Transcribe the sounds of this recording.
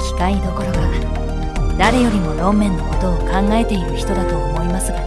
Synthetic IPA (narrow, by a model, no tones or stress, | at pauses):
kʲi̥kaid̪o̞ko̞ɾo̞ɡa | d̪aɾe̞jo̞ɾʲimo̞ɾõ̞mːẽ̞nːo̞ko̞t̪o̞ːkãŋɡae̞t̪e̞iɾɯ̟çi̥t̪o̞d̪at̪o̞ːmo̞imasɨɡa